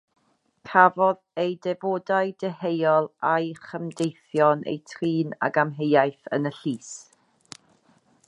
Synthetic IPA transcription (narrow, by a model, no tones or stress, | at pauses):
kʰavɔðejdɛvoːdajdɛhejɔlˠajχəmdejθjɔnʔḛjtʰriːna̰ɡamɦejajθə̰nəɬiːs